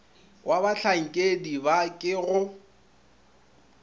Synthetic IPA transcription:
wʔabaɬʰaŋ̩kʼedibakʼɪɣʊ

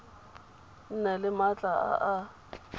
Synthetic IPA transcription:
n̩nɛlɪmat͡ɬʼaa̰ʔa

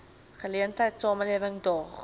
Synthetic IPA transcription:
χəliəntəjtsɑːməliəvəŋdɔːχ

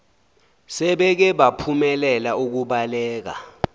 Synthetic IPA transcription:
sɛɓɛk̬ɛɓapʰumɛlɛlauk̬uɓalɛːk̬a̰

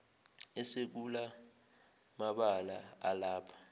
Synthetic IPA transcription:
ɛsek̬ula | maɓalaalaːpʰḁ

